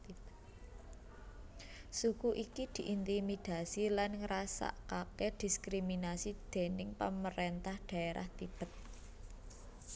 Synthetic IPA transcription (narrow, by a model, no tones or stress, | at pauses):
b̪ | sukuʔikid̪̥i̤ʔint̪imid̪̥a̤silanŋɾasa̰ʔkaked̪̥i̤skɾiminasid̪̥e̤nɪŋpəməɾent̪ahd̪̥ä̤eɾʔa̰ht̪ib̥ə̤t̪̚